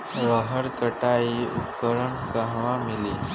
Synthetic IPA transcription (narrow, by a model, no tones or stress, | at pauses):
ɾəɦəɽkəʈaiupkəɾəɳkaɦʋamiliː